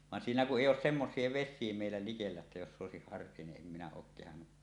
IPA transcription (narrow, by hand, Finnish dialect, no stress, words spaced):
ʋɑn siːnæ kuʔ ʔeˑijˑ oːs semːosˑie ʋesˑiˑe meˑilːæ likelːæ etːæ josː oˑesik hɑrːie niʔ ʔem minæ oːk kehɑnːu